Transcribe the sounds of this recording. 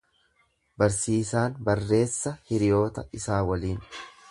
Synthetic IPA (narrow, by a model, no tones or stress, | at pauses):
bɐɾsiːsaːnbɐrːe̞ːsːɐhɪɾɪjo̞ːt̪ɐɪsaːwɐliːn